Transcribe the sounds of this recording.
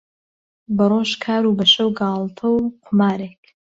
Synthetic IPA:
bɐroːʃkʰaːɾuːbɐʃɐwɡɑːlˠt̪ʰɐwqʰʊmaːɾeːk

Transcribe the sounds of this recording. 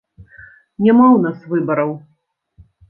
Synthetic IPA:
nʲamawnasvɨbɐɾɐw

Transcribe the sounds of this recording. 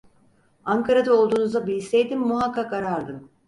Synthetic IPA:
aŋkʰaɾad̪ao̞lˠd̪uːnuzabiisejd̪imːuɦakːakaɾaɾd̪ɯm

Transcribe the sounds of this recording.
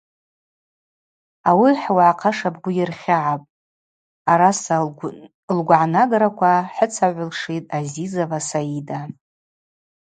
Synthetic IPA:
awiħwaʕaqʰaʂab̚ɡʷʊjɪrχʲaʕapʼ | aɾas | lɡʷʕanaɡaɾakʷʰaħət͡sʰaʕʷʊlʂitʼazizavasaida

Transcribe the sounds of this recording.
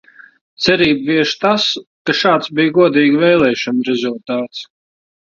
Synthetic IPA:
t̪sɛɾiːbviɛʃt̪askaʃaːt̪sbijɡuɔd̪iːɡvɛjlˠɛːʃɔnɾɛzulˠt̪aːt̪s

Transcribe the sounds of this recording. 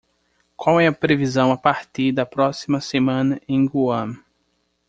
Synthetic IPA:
kwawɛɐpɾevizɐ̃w̃ɐpaɾt̪iɾd̪ɐpɾɔsimɐsemɐ̃nɐʔẽj̃ɡuɐ̃

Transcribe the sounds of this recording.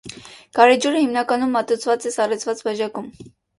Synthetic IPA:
kɑɾɛd͡ʒuɾəhimnɑkɑnumːɑt̪ut͡sʰvɑt͡sɛsɑrɛt͡sʰvɑt͡sbɑʒɑkum

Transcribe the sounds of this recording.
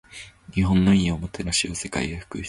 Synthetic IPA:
ɲ̟iɦõ̞nːo̞iɲiomot̪eɾaɕiose̞ka̰iɡaɸɯ̟̥kɯ

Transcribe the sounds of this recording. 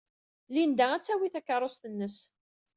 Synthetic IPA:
lind̪ææt͡sːæwiθækːəɾˤost̪ənːəs

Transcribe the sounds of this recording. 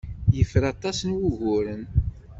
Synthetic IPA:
jəfəɾɑt̪ˤɑsənwuʝʊɾən

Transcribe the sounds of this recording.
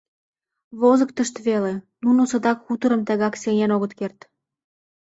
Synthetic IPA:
βozəkt̪əʃt̪βelenunosɤ̆d̪ɑkxut̪əɾəmt̪æɣɑkseŋʲænoɣət̪kert̪

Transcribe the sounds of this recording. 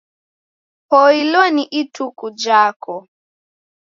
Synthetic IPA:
pɔilɔniʔitʰukud͡ʒakɔ

